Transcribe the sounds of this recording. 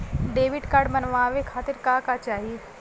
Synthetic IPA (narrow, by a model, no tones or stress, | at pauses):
ɖeːʋɪɖkaːɾɖmɐnʋãːʋekʰaːt̪ɪɾkaːkat͡ʃaːɦie